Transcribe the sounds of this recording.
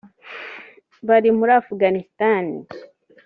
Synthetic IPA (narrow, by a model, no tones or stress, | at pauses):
baɾimuɾafuɡanistanḭ